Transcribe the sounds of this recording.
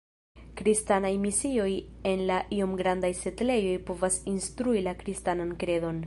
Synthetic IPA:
kɾistanajmisio̞je̞nlaʔio̞mɡɾandajse̞tle̞jo̞jpo̞vasinstɾuilakɾistanankɾe̞do̞n

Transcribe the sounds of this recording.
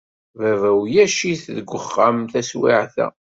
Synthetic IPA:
vævæwjæʃiθðəɡʷəχːamθæswḭʕθæ̰

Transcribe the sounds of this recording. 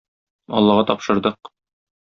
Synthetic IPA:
ɒ̰lˠːɑʁɑt̪ɒpʃɤ̆ɾd̪ɤq̚

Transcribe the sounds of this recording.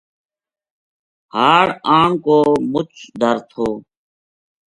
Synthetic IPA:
haːɽaːɳkoːmʊt͡ʃʰd̪ʱəɾt̪ʰoː

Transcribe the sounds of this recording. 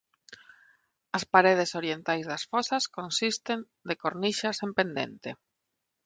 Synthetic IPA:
ɐspaɾeð̞esoɾjent̪ajzðasfɔsaskonsist̪en | d̪ekoɾniʃasempend̪ḛnt̪e

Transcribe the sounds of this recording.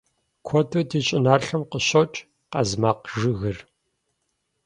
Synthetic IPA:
kʷʰɔtʰɐtiːt͡ʃʼɪnaːrɬɐmqəɕɐt͡ʃʼ | qɐ̰zmaːqʒɨɣɨr

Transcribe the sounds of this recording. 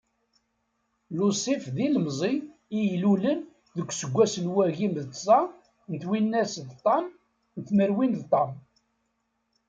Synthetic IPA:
lusˤifðiləmzˤiːjlulən | ðəɡʷːsəɡʷːæsənwæɣimðt̪sˤɑ | nt̪winːæsðt̪ˤːɑm | nθməɾwinðt̪ˤɑm

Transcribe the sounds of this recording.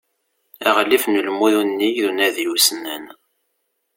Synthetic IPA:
æʁlifnəlmuðunːijðunæðjusnːən

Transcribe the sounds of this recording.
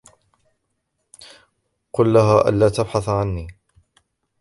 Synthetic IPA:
qʊlːaɦaːʔa̰nlaːt̪abħaθʕanːiː

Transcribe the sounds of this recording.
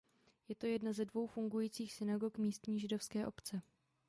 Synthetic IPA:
jɛt̪o̞jɛdnazɛdvo̞wfuŋɡujiːt͡siːxsɪnaɡo̞kmiːst̪ɲiːʒɪdo̞fskɛːʔo̞pt͡sɛ

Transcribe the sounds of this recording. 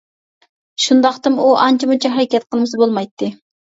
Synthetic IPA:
ʃund̪ɑχt̪ɨmuʔɑnt͡ʃʰimut͡ʃʰiɦæɾɪkʲɛt̪qʰəlˠɨmɨsɨbolˠmɑjt̪ːɨ

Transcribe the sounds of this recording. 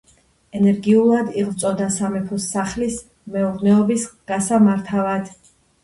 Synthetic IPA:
ɛnɛɾɡiulˠad̪iʁt̪sʼɔd̪asamɛpʰɔsːaχlis | mɛuɾnɛɔbisɡ̥asamaɾt̪ʰavad̪

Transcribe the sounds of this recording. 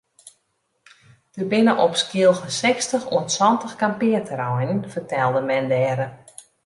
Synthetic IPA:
d̥əbɪnəʔɔpskiəlˠxənsɛkstəxṵənsɔntəxkampɪətʰəɾɔjnənfərtɛlˠdəmɛndɛɾə

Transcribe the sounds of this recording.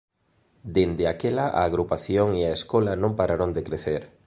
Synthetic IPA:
d̪end̪eakelaʔa̰ːɣɾupaθjoŋiaeskɔlɐnõmpaɾaɾond̪ekɾeθeɾ

